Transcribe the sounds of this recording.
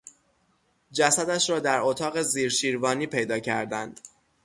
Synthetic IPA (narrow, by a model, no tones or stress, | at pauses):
d͡ʒæsæd̪æʃɾɒːd̪æɾot̪ʰɒːɣe̞ziːɾʃiːɾvɒːniːpʰe̞jd̪ɒːcʰæɾd̪ænd̪̥